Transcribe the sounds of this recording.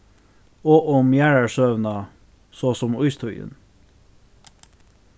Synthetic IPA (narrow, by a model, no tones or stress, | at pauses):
oːʔɔmjæːɹɑsøːʋnɑ | soːsɔmʊʏst̪ʰʊʏə̰n